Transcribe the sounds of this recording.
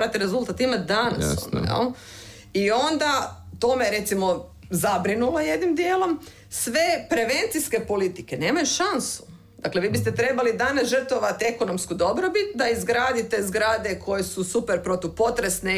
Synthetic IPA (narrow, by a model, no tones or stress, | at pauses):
ɾat̪eɾezulˠt̪at̪imat̪d̪ana̰so̰nd̪a̰jḛl | io̞nd̪at̪o̞meɾe̞t̪simo̞ | zabɾinulo̞je̞d̪nimd̪jeːlˠo̞m | sʋe̞pɾe̞ʋe̞nt̪siske̞po̞lit̪ike̞ne̞ːmajuʃansu̥ | d̪̥akle̞ʋiːbist̪et̪ɾe̞balid̪anasʒər̩t̪oʋat̪ee̞ko̞no̞mskud̪o̞bɾo̞bit̪̚d̪aizɡɾaːd̪it̪e̞zɡɾaːd̪e̞kʰo̞jesusupeɾpɾot̪upo̞t̪ɾe̞sne